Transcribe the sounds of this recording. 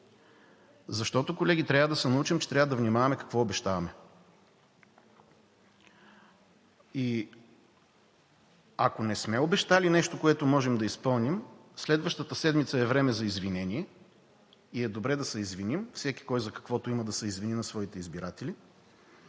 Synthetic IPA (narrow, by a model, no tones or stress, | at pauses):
zɐʃt̪ɔt̪okolɛɡ̟it̪ɾʲavəd̪ɐsɛnɐut͡ʃimt͡ʃɛ̥t̪ɾʲavəd̪ɐvnʲimavɐmɛkɐ̥kvɔobɛʃt̪avɐmɛ | i | akonɛsmɛobɛʃt̪alinɛʃt̪okoɛt̪omɔʒɛmd̪ɐispɤlˠnimslɛd̪vɐʃt̪ət̪əsɛd̪mit̪səɛvɾɛmɛzɐizvinɛnʲiɛ | iɛd̪obɾɛd̪ɐsɛizvinimfsɛkʲi̥kɔjzɐkɐ̥kvɔt̪oiməd̪ɐsɛizvininɐsvɔit̪ɛizbiɾat̪ɛli